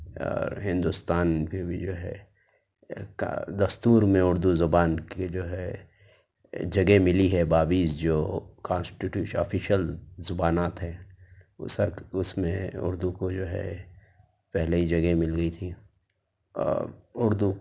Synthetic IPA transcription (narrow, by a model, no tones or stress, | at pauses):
ɔ̰ːɾɦɪ̃nd̪ʊst̪aːnkebʱid͡ʒoːɦɛ̰ | kd̪ɐst̪uːɾmẽʊɾd̪uzʊbaːnked͡ʒoːɦɛ | d͡ʒɐɡemɪliɦɛbaːbiːsd͡ʒoːkãːnsʈiʈjuːʃɔ̰fʰiʃəlzʊbaːnaːt̪ɦɛ̃ː | səɾkʊsmẽʊ̰ɾd̪ukod͡ʒoːɦɛ̰ | pɛɦleid͡ʒɐɡemɪlɡəit̪ʰi | ʊɾd̪u